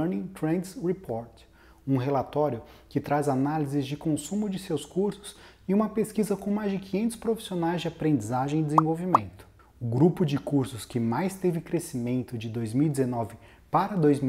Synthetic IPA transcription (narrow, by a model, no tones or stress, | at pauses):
ɾnĩt̪ɾẽnd̪shepʰɔɾt̪ | ũɦelat̪ɔɾjʊkɪt̪ɾazanalizɪzd͡ʒɪkõsũmʊd͡ʒɪsewskuɾsʊ̥s | ɪũmɐpeskizɐkõmajzd͡ʒɪkĩɲẽnt̪ʊ̥spɾofi̥sionajzd͡ʒɪapɾẽnd͡ʒizaʒẽj̃ɪd̪ezẽvowvimẽnt̪ʊ̥ | ʊɡɾupʊd͡ʒɪkuɾsʊskɪmajst̪evɪkɾesimẽnt̪ʊd͡ʒɪd̪ojzmiwid͡ʒ̪ɪzenɔvɪ | paɾɐd̪ojzmi